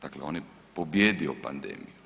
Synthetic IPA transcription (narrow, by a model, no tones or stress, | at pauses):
d̪akleɔ̰ne | pobjɛːd̪iopa̰nd̪ɛ̰ːmio